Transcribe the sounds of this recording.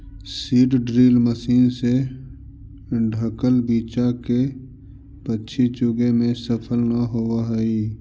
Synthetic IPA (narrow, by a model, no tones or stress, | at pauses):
siːʈɖɾiːlməsiːnse | ɖʱəkəlbiːt͡ʃake | pətːʃʰit͡ʃʊɡemẽsəpʰəlnaɦowaɦɛi